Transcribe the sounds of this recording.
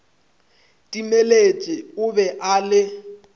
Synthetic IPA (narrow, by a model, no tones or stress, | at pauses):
tʼimelet͡ʃʼɪʊbɛʔalɪ